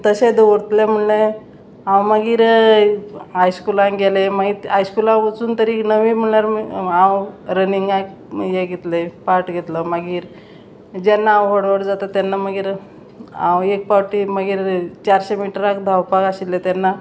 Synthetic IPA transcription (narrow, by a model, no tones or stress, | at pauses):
t̪əsed̪ʋəɽt̪lem̤əɳlẽ | ãwməɡiːɾ | ajskulãŋɡeleməɡiɦajskulãʋət͡suːnt̪əɾiknəʋim̤əɭjaɾãwɾəniŋɡak | jeɡet̪lepaɾʈɡʱet̪ləməɡiːɾ | d͡ʑanːãːwɦoɽʋəɽd͡zat̪at̪janːaməɡiːɾ | ã̰wek̚paʈiməɡiːɾt͡ɕaɾɕemiʈɾakd̪ʱawpakaɕilet̪janːa